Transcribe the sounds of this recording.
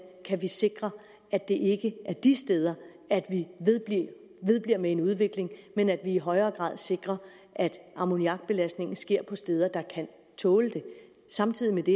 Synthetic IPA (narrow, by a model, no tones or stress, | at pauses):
kʰæʋise̝ɡ̥ʁɐ | æd̥e̝ʔe̝ɡ̥əʔæɐd̥isd̥eːð̞ˠɐ | æd̥ʋi̥i | ʋe̝ðˠb̥liɐ̰mee̝nuð̞ˠʋe̝ɡ̥le̝ŋmenæd̥ʋiiɦɒ̽ɪɐːɡ̥ʁɑ̰̈ðˠse̝ɡ̥ʁɐ | ʔæd̥ɑ̈mo̝niɑ̈ɡ̥b̥e̝læsd̥ne̝ŋn̩sɡ̥e̝ɐ̰pʰɒ̽sd̥eːð̞ˠɐd̥ɑ̈kʰæn | t͡sʰɔ̽ːləd̥e̝ | sɑ̈mt͡sʰið̞̰ˠimed̥e̝